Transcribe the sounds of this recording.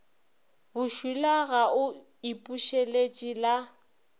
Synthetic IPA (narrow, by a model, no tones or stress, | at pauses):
bʊʃilaɣaʔʊ | ipʼuʃelet͡ʃʼila